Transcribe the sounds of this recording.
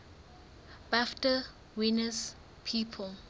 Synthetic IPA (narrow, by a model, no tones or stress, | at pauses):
b̥aftə | winəs | pʰiːpʰəl